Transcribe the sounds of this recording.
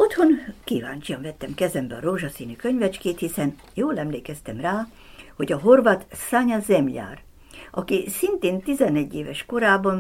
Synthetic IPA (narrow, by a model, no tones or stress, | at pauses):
o̞t̪ho̞nkiːvaːnt͡ʃijɒɱvɛt̪ːɛmkɛzɛmbɛɒɾoːʒɒsiːnykøɲvɛt͡ʃkeːt̪hisɛn | joːlɛmleːkɛst̪ɛmraː | ho̞ɟɒɦo̞rvaːt̪saɲazɛmja̰ːr | ɒkisint̪eːnt̪izɛnɛɟːeːvɛʃko̞ɾaːbɒn